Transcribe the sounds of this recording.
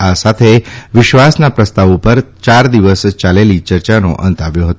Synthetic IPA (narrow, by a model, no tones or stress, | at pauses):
asat̪ʰeʋiʃʋasnapɾəst̪aʋupəɾt͡ɕaɾd̪iʋəst͡ɕaleliːt͡ɕəɾt͡ɕano̰ʔə̰nt̪aʋjoɦət̪o